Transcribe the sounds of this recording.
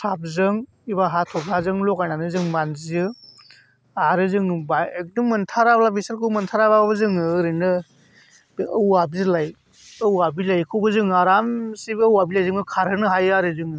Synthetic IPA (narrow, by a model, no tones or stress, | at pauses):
sap̚zɯŋ | ibaɦatʰɔblazɯŋlɔkananɯzɯŋmanzijɯ | aɾɯzɯŋbaek̚dɯmɯntʰaɾablabisalkʰɯwmɯntʰaɾababɯzɯŋɯɾɯnɯ | wabizɯlaj | ɯwabilajkʰɯwbɯzɯŋaɾamsibəwabilajzɯŋɯkʰaɾɯnɯɦajaɾɯzɯŋɯ